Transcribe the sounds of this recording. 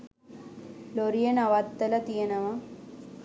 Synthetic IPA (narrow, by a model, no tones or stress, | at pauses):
loɾijənaʋat̪ːɐlɐt̪ijenəʋɐ